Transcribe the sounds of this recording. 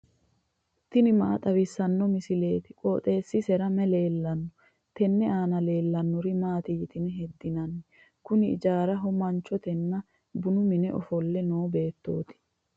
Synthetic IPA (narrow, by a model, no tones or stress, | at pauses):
t̪ɪnɪmaːt̪ʼɐwɪsːɐnːɔmɪsɪle̞ːt̪ɪ̥kʼɔːt̪ʼe̞ːsːɪsɛɾɐmɛleːlːɐnːɔ | t̪ɛnːɛaːnɐle̞ːlːɐnːɔɾɪmaːt̪ɪjɪt̪ɪnɛɦɛd̪ːɪnɐnːɛ | kʊnɪɪ̰d͡ʒaːɾɐɦʊmɐnt͡ʃːɔt̪ɛnːɐ | bʊnʊmɪnɛʔɔ̰fɔlːɛnoːbe̞ːt̪ːo̞ːt̪ɪ̥